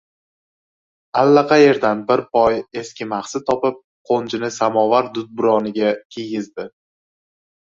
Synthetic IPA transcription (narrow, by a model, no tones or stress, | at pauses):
alːaqʰɑje̞ɾd̪anbɪɾpɒje̞skʲɪmaχsɪt̪ʰɒpɪp̚ | qʰont͡ʃɪnɪsamɒvaɾd̪ʊd̪̚bʊɾɒnɪɡʲakʲʰejɪzd̪ɪ